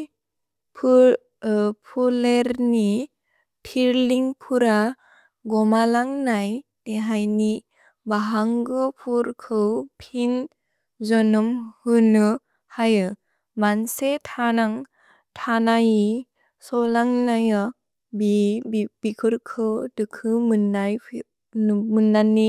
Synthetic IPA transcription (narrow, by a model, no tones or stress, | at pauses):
pʰ | pʰuleɾni | tʰiɾliŋpʰuɾa | ɡɔmalaŋnaj | neɦajni | baɦaŋɡɯpʰuɾkʰɯwpʰin | zɔnɔmhɯnɯ | hajɯ | mansetʰanaŋ | tʰanaji | sɔlaŋnajɔ | bibikʰɯɾkʰɯwdɯkʰɯmɯnːaj | mɯnːanːi